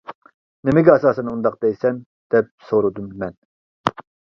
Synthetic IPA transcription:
nemɪɡʲɛɑsɑːsɛnund̪ɑq̚d̪ɛjsɛn | d̪̥ɛp̚soɾud̪umːɛn

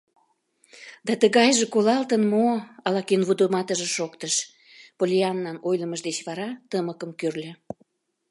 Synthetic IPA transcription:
d̪ɑt̪əɣɑjʒekolɑlt̪ənmoɑlɑkenβud̪omɑt̪əʒeʃokt̪əʃ | polʲiɑnːɑnojləməʒd̪et͡ɕβɑɾɑt̪əməkəmkørlʲe

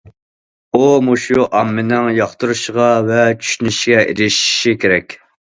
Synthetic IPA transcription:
umuʃuʔɑmːɪnɪŋjɑχt̪uɾuʃʁɑvɛt͡ʃʰy̥ʃynyʃɡʲɛʔḛɾɪʃi̥ʃikʲʰeɾɛkʲ

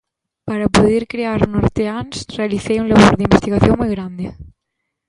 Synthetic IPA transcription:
paɾapuðiɾkɾeaɾnoɾt̪eansrealiθejuŋlaβoɾðimbest̪iɣaθjoŋmujɣɾand̪e

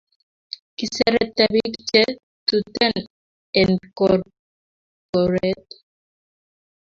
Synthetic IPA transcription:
kiseɾet̪aβikt͡ʃe | t̪ut̪en | enkoɾ | koɾet̪

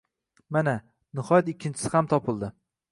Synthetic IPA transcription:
mana | nɪhɒjat̪ɪkʲʰːɪnt͡ʃʰɪ̥sɪhamt̪ʰɒpʰɪlˠd̪ɪ

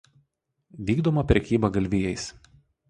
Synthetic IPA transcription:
ʋʲiːɡd̪omɐpʲɾʲɛkʲiːbɐɡɐlʲʋʲɪjɛɪs

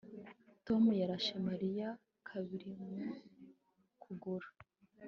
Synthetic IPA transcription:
to̞mujaɾaʃemaɾija | kʰaβiɾimu | kʰuɡuɾa

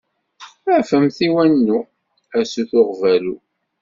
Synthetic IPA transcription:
æʕfəmθiwænːu | æsuθʊʁvælu

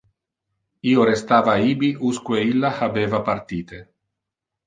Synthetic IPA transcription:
iːoɾest̪aːvaiːbiʔuskweilːahabeːvapaɾt̪iːt̪e

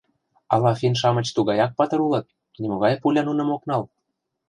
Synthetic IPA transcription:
ɑlɑfinʃ̬ɑmɤ̆t͡ɕt̪uɣɑjɑk̚pɑt̪ɤ̆ɾulɤ̆t̪̚ | nʲimŏɣɑjpulʲɑnunɤ̆moknɑl

